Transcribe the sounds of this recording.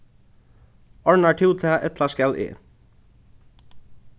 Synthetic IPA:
ɔɹɳɑʈʰuːt̪ʰæːʔɛt̪lɑskɛlʔḭː

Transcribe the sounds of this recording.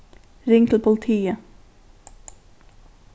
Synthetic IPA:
ɾɪŋkl̩pʰʊlt̪ʰiːə

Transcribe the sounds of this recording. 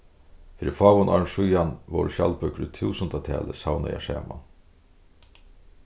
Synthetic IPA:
fɪɾifɑːʋʊnʔa̰ɹʂʊjanʋo̰ɾʃa̰lpœkɾʏt̪ʰuːsənt̪at̪ʰɛ̰ːləsawna̰ja̰ʂɛ̰ːma̰n

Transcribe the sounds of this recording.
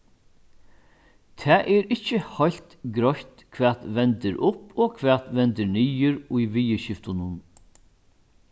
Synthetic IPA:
t̪ʰɛːʔɛɾɪcːəhɔjlt̪ɡɾɔçt̪kʰʋɛːt̪ʋɛnt̪əɾʔʊpɔːkʰʋɛːt̪ʋɛnt̪əɾniːəɾʊjʋiːəʃɪft̪ʊnʊn

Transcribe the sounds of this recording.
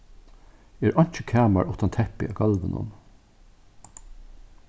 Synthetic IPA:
ɛːɹʔɔɲ̥t͡ʃəkʰæːma̰ɹʊht̪ant̪ʰɛhpɪ̰ʔaɡɑlʋɪnʔʊ̰n

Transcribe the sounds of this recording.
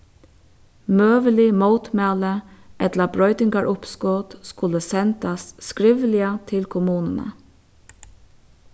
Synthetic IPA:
møːʋəlɪmowt̪mæːləʔɛt̪labɹɔʏt̪ɪŋkaɹʔʊpskoːt̪skʊləsɛnt̪asskɹɪʋlɪət̪ʰɪlkʰʊmuːnənə̰

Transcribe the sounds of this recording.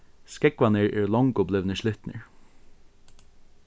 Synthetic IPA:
skɛkʋanəɹʔɛːɹlɔŋkʊplɪʋnəʃlɪt̪nə̰ɹ

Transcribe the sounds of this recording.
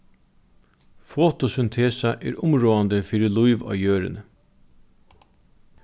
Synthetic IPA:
foːt̪ʊsʏnt̪ʰeːsaʔɛ̰ːɾʔʊmɾoːand̪əfiːɾɪlʊɪʋɑ̰ːjøːɾɪ̰nə

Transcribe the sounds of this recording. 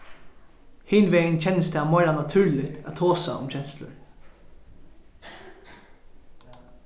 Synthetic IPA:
hɪːnʋɛːnt͡ɕʰɛnəsd̪ɛamɔɪɾanat̪ʰʉːɹlɪt̪ʰæ̰t̪ʰoːsa̰ʊ̰mt͡ɕʰɛnslə̰ɹ

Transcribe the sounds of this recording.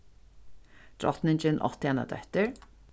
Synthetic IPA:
d̪̥ɹɔ̰t̪nɪɲt͡ʃɪnʔɔ̰t̪ɪɛna̰d̪œ̰ht̪əɹ

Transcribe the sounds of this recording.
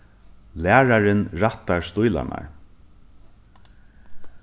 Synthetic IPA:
læːɹaɾɪnɹat̪aɹst̪ʊjla̰na̰ɹ

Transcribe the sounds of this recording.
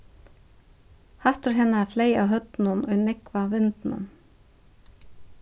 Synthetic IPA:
haft̪ʏɾɦɛnːaafleːjawɦœt̪nʊnʔɔjnɪkvavɪnt̪nʊ̰n

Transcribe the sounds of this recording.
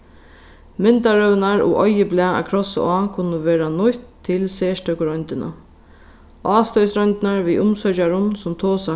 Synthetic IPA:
mɪnt̪aɾœwnaɹṵʔɔjɪblɛːaa̰kʰɾɔsə̰aːkʰʊnːəʋɛːɾanʊht̪ʰːɪlseːʂtʰœkʊɾɔjnt̪ɪna̰ | ʔɑːst̪œjsɾɔjnt̪ɪnaɹʋiʔʊmsœt͡ʃaɾʊnsʊmt̪ʰoːsa

